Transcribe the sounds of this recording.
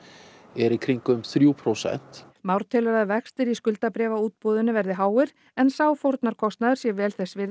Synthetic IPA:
ɛɾikʰɾiŋkʏmθɾjupʰɾowsɛ̰n̥t̪ | mawɾ̥t̪ʰɛːlʏɾaðvɛkst̪ɪɾiskʏlt̪apɾɛːvauːt̪̚pɔːðʏnʏvɛɾðɪɦaːwɪɾ | ɛnsaːwfowɾt̪naɾ̥kʰɔst̪naðʏɾ̥sjɛvɛːlθɛsvɪ

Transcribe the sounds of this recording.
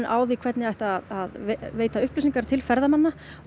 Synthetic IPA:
nʔaːwðikʰv̥ɛt̪nɪajht̪aːðaðeveːjt̪aʏhplʏsiŋkaɾ̥t̪ʰɪlfɛɾðamanːa

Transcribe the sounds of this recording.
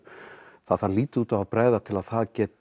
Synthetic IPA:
θaðθaðliːt̪ɪuːt̪avavpɾɛːðat̪ʰɪlað̥θaðcɛːt̪

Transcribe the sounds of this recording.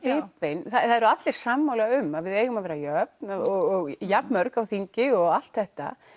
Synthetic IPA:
ɪːt̪vejnθaθaðɛɾʏat̪lɪɾ̥samːawlaʏmaðvɪðɛːɣʏmaðvɛːɾajœp̚naɔɣɔɣjapnmœɾkawθiɲcɪɔɣal̥t̪θɛht̪a̰

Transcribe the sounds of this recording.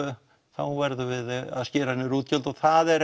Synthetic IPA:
θawvɛɾðʏvɪða̰ðscɪːɾahnːɪɾuːt̪cœlt̪ɔɣθaðɛɾ

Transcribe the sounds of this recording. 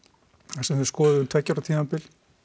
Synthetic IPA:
asɛmskɔːðɪʏmt̪ʰɛcːaɾat̪ʰiːampɪl

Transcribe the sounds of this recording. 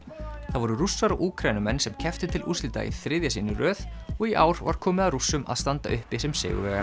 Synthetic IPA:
θaðvɔɾʏrusːaɾawʔuːkʰɾaːjnʏmɛnːsɛmcʰɛft̪ɪt̪ʰɪlʔṵːsliːt̪a̰ḭθɾɪðjasiːnʏrœːðɔɣiʔaːwɾva̰ɾ̥kʰɔːmɪðarusːʏma̰ðst̪ant̪a̰ʔʏhpɪsɛmsɪ̰ːɣʏ̰vɛːɣa

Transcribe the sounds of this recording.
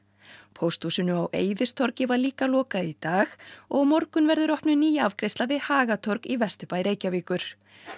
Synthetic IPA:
pʰowst̪usɪnːʏawʔeːjðɪst̪ʰɔɾcɪvaɾliːkalɔːkait̪aːxɔɣmɔɾkʏnvɛɾðʏɾɔhpnʏniːjaavkɾest̪lavɪðhaːɣat̪ʰɔɾkivɛst̪ʏpaːjɾeːjcaviːkʏɾ̥

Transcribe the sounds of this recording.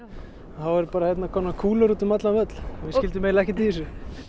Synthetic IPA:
θawɛɾpaːɾahɛt̪nakʰɔːmnakʰuːlaɾut̪ʏmat̪lanvœt̪l̥vɪscɪlt̪ʏmːeːjlaɛhcɛt̪̬iðɪsʏ

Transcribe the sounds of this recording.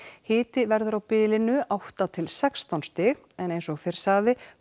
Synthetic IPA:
hɪːt̪ɪvɛɾðʏɾawpɪːlɪnʏawht̪at̪ʰɪlsɛkst̪awnst̪ɪːɣɛnejnsɔɣfɪɾ̥saːðɪ

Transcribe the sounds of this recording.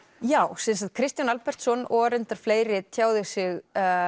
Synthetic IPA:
jaːwsɛns̬at̪̚kʰɾɪst̪janalpɛr̥t̪sɔnɔɾɪnt̪aɾ̥fleːjɾɪt̪ʰjaːwðɪsɪɣ

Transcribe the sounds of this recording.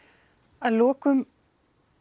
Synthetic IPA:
aðloːkʏm

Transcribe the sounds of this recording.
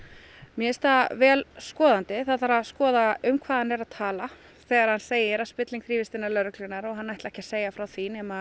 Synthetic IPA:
mjɛɛst̪avɛːlskɔːðant̪ɪθaðθaɾaðskɔːðaʏmkʰvaːðanɛɾaðt̪ʰaːla | θɛːɣaɾ̥hanseːjɪɾaðspɪt̪liŋkθɾiːvɪst̪ɪnalœɾʏklʏnaɾɔɣɦanːajht̪ɛhcḁseːjafɾawθinɛːma

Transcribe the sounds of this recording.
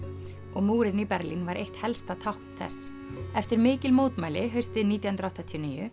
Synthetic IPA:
ɔɣmuːɾɪnipɛɾlinvaɾʔejht̪hɛlst̪at̪ʰawhkn̥θɛ̰s | ɛft̪ɪɾmɪːcɪlmowt̪majlɪɦœɥst̪ɪðniːt̪jahʏnt̪ɾawht̪at̪ʰiɔniːjʏ

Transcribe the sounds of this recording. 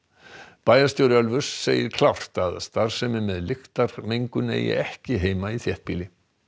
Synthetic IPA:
paːjast̪jowɾɪœlvʏɾ̥sːeːjɪɾkʰlawr̥t̪aðst̪aɾ̥sɛmɪmɛðlɪxt̪aɾ̥mejŋkʏnḛːjɪ̰ɛhcɪɦeːjmaiθjɛht̪̚piːlɪ

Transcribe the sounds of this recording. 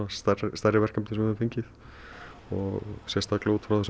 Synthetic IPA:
ast̪arst̪arɪvɛrkamnɪsɛmɛfejɲcɪθ | ɔ̰ɣsjɛst̪aklauːt̪fɾawðs

